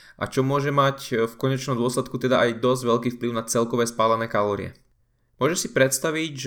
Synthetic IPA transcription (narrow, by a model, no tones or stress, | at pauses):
ʔa̰t͡ʃɔmʊɔʒɛmacfkɔɲɛt͡ʃnɔmd̪ʊɔslɛt̪̚kut̪ɛd̪aʔajd̪ɔzɟʋɛʎkiːfpliʊnat͡sɛlkɔʋɛːspaːlanɛːkalɔːɾɪ̰ɛ̰ | mʊɔʒɛʃsipɾɛt̪st̪aʋiɟʒ